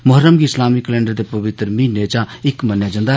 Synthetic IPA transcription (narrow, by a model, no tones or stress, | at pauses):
mʊɦəɾəmɡiːɪslaːmiːkəlɛ̃ːɳɖəɾd̪eːpəʋɪt̪əɾmĩːneːt͡ʃãːɪkmənjaːd͡ʒə̃nd̪aː